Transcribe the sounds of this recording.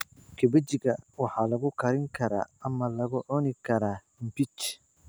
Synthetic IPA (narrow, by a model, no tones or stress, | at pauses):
kɛbɛd͡ʒɪɡɐwɑħalɐɡʊkɐɾɪŋkʰɐɾa̰ɐmːɐlɐɡʊʔɔnɪkɐɾaː | m̩pit͡ʃ